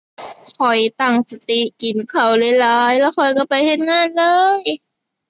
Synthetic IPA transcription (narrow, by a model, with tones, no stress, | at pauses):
kʰɔ˨˩jt̪a˧˩ŋsa˧t̪i˧˦ʔki˨˩˦nkʰa˨˩wle˧laː˦˥jlɛː˧˥˩wkʰɔ˨˩jka˧˩pa˨˩jhe˧˥˦t̪̚ŋaː˧˥˨nlɤː˧j